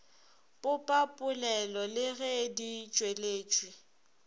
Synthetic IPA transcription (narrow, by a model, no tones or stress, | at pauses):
pʼʊpʼapʼʊlɛlɔlɪɣedit͡ʃʼweleːt͡ʃʼwi